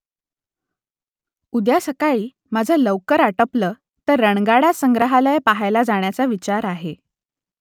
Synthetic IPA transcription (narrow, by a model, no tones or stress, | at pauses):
ud̪jasəkaɭiː | mad͡zʱələʋkəɾaʈəpləː | t̪əɾːəɳɡaɽasəŋɡɾəɦaləjpaɦajlad͡zaɳ̃jat͡saʋit͡ɕaɾaɦe